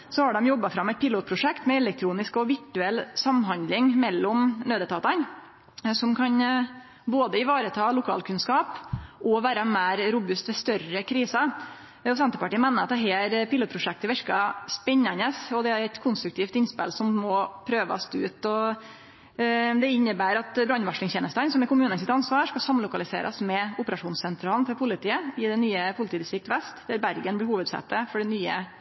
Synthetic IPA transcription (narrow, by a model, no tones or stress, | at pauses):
sɔhɑɖɛmjɔbːɑfɾɑmɛɪt̪̚pʰɪluːt̪̚pʰɾʊʂɛkt̪mɛɛlɛk̚t̪ʰɾuːnɪskɔʋɪʈʉɛlːsɑmɦɑnd̪lɪŋmɛlːɔmnøːd̪ət̪ʰɑːt̪ɑn | sɔmkʰɑn | boːd̪əɪʋɑːɾət̪ʰɑːlʊkʰɑ̰ːlkʰʉnskɑːpʔɔʋæːɾəmæːɾɾʊbʉst̪ʋɛst̪œɾəkʰɾiːsɑ | ɔsɛnt̪əpɑʈiːəmæɪnəɾɑt̪d̪ɛɦeːɾpɪluːt̪pʰɾʊʂɛk̚t̪əʋɛɾkɑspɛɲːɑnəsɔd̪ɛæɾɛt̪kʰʊnst̪ɾʉkt̪ʰiːft̪ɪnspɪ̰lsɔmːɔpʰɾøːʋɑ̰st̪ʉːt̪ɔ | d̪ɛɪnːəbæːɾɑt̪bɾɑnʋɑʂlɪŋsçɛːnəst̪ɑnsɔmɪkʊmʉːnənsɪt̪ɑnsʋɑːʂkɑsɑmlʊkɑlɪsḛːɾʔɑ̰smɛʊpəɾɑʂuːnssɛnt̪ʰɾɑːlnfɔɾpʰʊlɪt̪ʰiːəɪd̪ɛnyːəpʰʊlɪt̪ʰiːd̪ɪsɪk̚t̪ʋɛst̪d̪̥æɾbæɾɡənblɪːhuːʋəd̪sɛ̰t̪ːəfɔɖɛnyːə̰